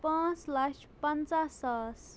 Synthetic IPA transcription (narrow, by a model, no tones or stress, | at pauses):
pãːt͡slaʃ | pɐnt͡sasaːs